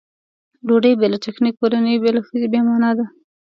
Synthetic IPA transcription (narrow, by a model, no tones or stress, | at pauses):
loɖəjbelataxnikːoɾanəjbelaxəzebemɑnɑd̪a